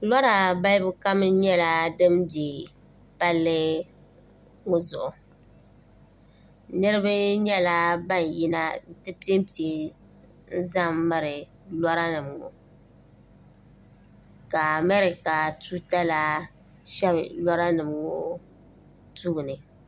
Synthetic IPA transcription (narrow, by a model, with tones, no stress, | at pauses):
lɔ˦ɾa˨ba˦lbʊ˦ka˦m˦ɲɛ˦la˨dɨ˦mbi˨ | pa˦lːɨ˦ | o˦zʊ˨ʔʊ˨ | nɨ˦ɾɨ˦bɨ˦ɲɛ˦la˦ba˦n˨ji˦na˦tɨ˦pi˦e˦m˦pi˦ | n̩˦za˦m˦mɨ˦ɾɪ˨ | lɔ˦ɾa˦nɨ˨m˨ɡo̰˨ | ka˨a˨mɛ˦ɾɪ˨ka˨tuː˦ta˦la˦ | ʃɛ˦blɔ˦ɾa˦nɨ˨mɡo˦ | tu˦ɡnɨ˨